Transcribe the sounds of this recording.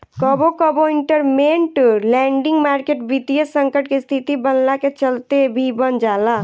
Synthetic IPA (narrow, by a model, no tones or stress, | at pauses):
kəbokəboiɳʈəɾmenʈlɛɳɖĩŋɡmaːɾkeʈbit̪ijəsəŋkəʈkest̪ʰit̪ibənlaket͡ʃəlt̪ebʱibənd͡ʒala